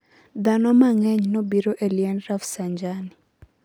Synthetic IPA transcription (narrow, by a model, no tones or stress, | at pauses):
d̪anɔmaŋɛɲnɔbiɾɔʔeliɛnɾafsaɲd͡ʒani